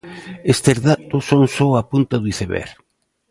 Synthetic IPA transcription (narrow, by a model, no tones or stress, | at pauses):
est̪ezðat̪oʊsːoŋsoapunt̪aðuiθeβɛ̰ɾ